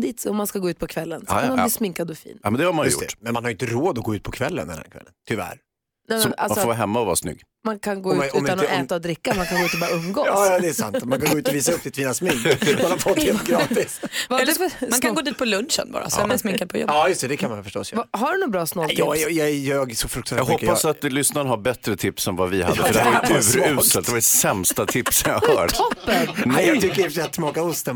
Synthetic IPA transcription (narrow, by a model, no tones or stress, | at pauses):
d̪iːt̪ɔmːanskaɡoːʉt̪̚pʰɔkʰvɛlːənsamanbliːsmɪŋkad̪ɔfḭːnmɛnd̪ɛhaɾmanjjʊ̰t̪ɛ̰mɛnmanhaɾʏɪnt̪əɾoːd̪ɔɡoːʉ̟t̪pʰɔkʰvɛlːə̰nd̪ɛnhæ̰ɾkʰvɛ̰lːənt̪ʰʏvæ̰ɾ | nɛmɛna̰lasfɔvɑːɦɛmːaɔva̰snʏ̰ɡ | mankʰanɡoːʉːɔʉanɔɛːt̪aɔd̪ɾɪkːamankʰanɡoːʉ̟t̪ɔbɑːɾaɵmːɡoɑːjɑːd̪ɛsa̰nt̪ɔmankʰanɡoʉt̪ɔviːsaɵp̚ːd̪ɪt̪fiːnasmɪŋkmanhaɾfɔt̪heːlt̪ɡɾɑːt̪ɪsvaɛlːmankʰanɡoːd̪iːt̪pʰɔlɵnʃə̰nbɑ̰ːɾa̰smɛnsmɪŋkad̪pʰɔjɔ̰bɑːjɵst̪ɛd̪ɛkʰanmanfœʂʈɔ̰sːvɦaɖʉnʊbɾɑːsnɔlj̪ɪːjɑɛjɑɡsɔfɾɵkt̪ʰajːɡɔpːasat̪lʏsnaənhaɾbɛt̪ɾət̪ʰɪpsɛnvavɪhad̪əfœdɛaʉːɾʉːsəld̪d̪ɛvaɖɛsɛmst̪at̪ʰɪpsɔmja̰ɡhœ̰ːʈ̪ɔpːənnɛjɑɡt̪ʰʏkːəɾjɪfat̪smɑːkaʊst̪ə